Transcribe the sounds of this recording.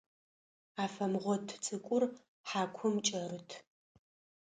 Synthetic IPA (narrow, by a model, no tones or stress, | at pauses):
aːfɐmʁʷɔtʰt͡sʼɨkʷʼʊr | ħaːkʷʰʊmt͡ʃʼɐrɨtʰ